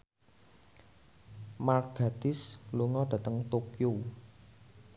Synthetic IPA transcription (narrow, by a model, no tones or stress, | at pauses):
marɡ̥a̤d̪̥ɪsluŋɔd̥ä̤t̪əŋt̪okju